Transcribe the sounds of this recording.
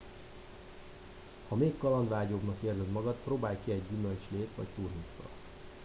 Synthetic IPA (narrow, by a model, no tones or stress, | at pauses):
hɒmeːkːɒlɒnd̪ʋaːɟobnɒkeːrzɛd̪mɒɡɒt̪proːbaːjkiɛɟːymølt͡ʃleːt̪ʋɒ̰ct̪uːrɦit̪sɒ̰